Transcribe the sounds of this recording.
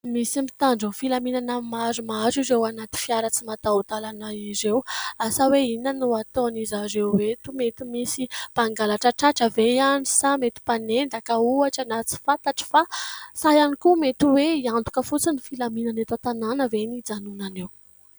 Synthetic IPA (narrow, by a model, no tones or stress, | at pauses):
misimit̪aɳɖ͡ʐəfilaminanamazumazizewanat̪i̥fiaɾət͡simat̪aut̪alanaizewasaweinənuat̪onizazewwet̪umet̪imisipaŋɡalaʈ͡ʂəʈ͡ʂaʈ͡ʂəvejanisamet̪i̥panenɖ͡ʐ̪akəuaʈ͡ʂənat͡si̥fant̪aʈ͡ʂə̥fasajanikumet̪uweiand̪u̥kəfut͡sinifilaminanet̪at̪ananəvenid͡zanunanew